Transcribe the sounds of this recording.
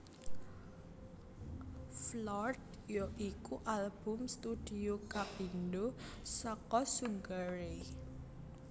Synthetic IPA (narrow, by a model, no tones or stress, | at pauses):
flɔrd̪ | joʔikuʔalb̥ʊ̤mst̪ud̥iokapinɖosɔkɔsuŋɡaɾe